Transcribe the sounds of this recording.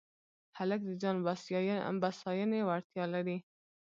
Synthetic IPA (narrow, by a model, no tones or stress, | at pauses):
halak̚d̪əd͡ʒɑnb̰ | basɑjənewaɾt̪jɑlaɾi